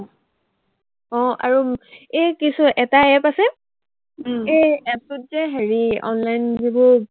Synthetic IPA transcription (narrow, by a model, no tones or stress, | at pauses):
ɔ̃a̰ɹuekisʊʔɛtaɛpasɛ | eɛtʊt̚zɛɦeɹiɔ̰nlajnzibʊ